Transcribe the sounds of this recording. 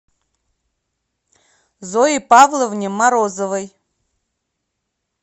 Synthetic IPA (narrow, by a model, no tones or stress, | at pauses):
zoipavlˠovnʲemaɾozovɐj